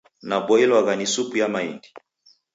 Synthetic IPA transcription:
nabɔilwaɣanisupujamaindi̥

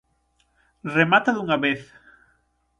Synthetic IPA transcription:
remat̪aðuŋaβeθ

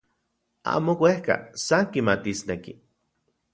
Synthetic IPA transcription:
a̰ːmowʷehka̰saŋkimat̪isneki

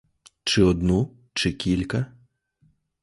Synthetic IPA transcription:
t͡ʃɪɔd̪nu | t͡ʃɪkʲilʲkɐ

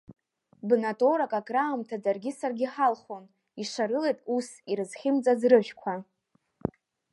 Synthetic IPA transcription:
bnatʼoɾakʼakʼraːmtʰad͡zarɡʲɪsarɡʲiħalχon | iʂaɾɨlejtʼusiɾɨzχʲɪmt͡sʼazrɨʒᶣkʷʰa

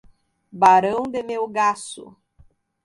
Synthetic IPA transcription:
baɾɐ̃w̃d̪emewɡasʊ̰

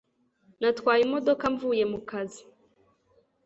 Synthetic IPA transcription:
natwaːjimɔdɔkaɱvuːjemukazi

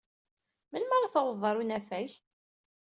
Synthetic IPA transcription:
mənməɾˤɑθəwəðˤəɾˤunæfæç

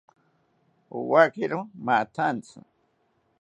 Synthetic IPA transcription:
ṵwakɪɾomat̪ʰant͡sʊ̰

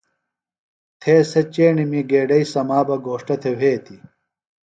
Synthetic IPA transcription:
t̪ʰeːsɐt͡ɕeːɳimiɡeːɖɐisɐmaːbɐɡoːʂʈɐt̪ʰeweːt̪ʰi

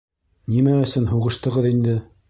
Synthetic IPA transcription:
nimæɵ̆sɵnɦuʁɤ̆ʃt̪ɤ̆ʁɤðind̪ɘ

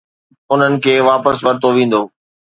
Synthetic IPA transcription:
ʊn̤ənɪ̆kʰeːʋaːpəsʋɐɾɪt̪oʋẽːn̆d̪oː

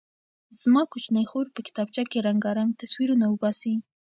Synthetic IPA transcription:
z̥mɑkʊt͡ʃnəjxoɾpəkɪ̥t̪ɑb̚t͡ʃakeɾaŋɡɑɾant̪aswiɾunawəbɑsi

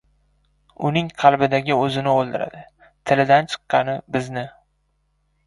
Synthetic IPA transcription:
ʊnɪŋqʰɑlˠbɪd̪aɡʲɪɵzɪnɪolˠd̪ɪɾa̰d̪ɪ | t̪ʰɪlɪd̪ant͡ʃʰɨ̥qːɑnɪbɪznɪ

